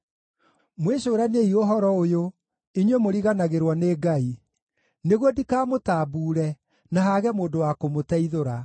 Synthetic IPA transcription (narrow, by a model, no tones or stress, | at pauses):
mweɕoːɾaneioɦɔɾɔojo | iɲwemoɾiɣanaɣeɾwɔneːɡai | neɣwɔdikaːmotaːbuːɾɛ | naɦaɣɛmoːdowakomotɛiðoɾa